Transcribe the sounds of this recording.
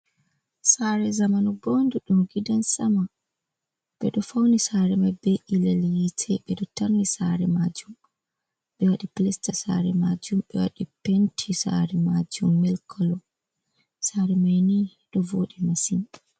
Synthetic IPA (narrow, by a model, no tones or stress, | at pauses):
saɾɛzamanɔbonduɗumɡidansama | ɓɛɗɔfawnisaɾɛmajbɛʔilɛljitʰɛɓɛɗɔtaɾnːisaɾɛmaːd͡ʒum | ɓɛwaɗiplɛstasa̰ɾɛmad͡ʒumɓɛwa̰ɗipentʰisa̰ɾɛmad͡ʒumːɛlkʰɔlɔ | saːɾɛmajni | ɗɔvoːɗimasin